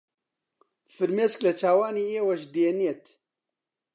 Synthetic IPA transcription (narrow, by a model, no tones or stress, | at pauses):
fɨɾmeːsklɐt͡ʃʰaːwaːniːeːwɐʃd̪eːniet̪